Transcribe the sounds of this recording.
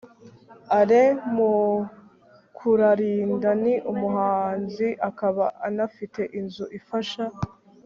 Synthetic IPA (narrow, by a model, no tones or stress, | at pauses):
aɾemu | kʰuɾaɾiːndaniʔumuɦaːnziʔakaβaʔanafite̞ʔinzuʔifaʃa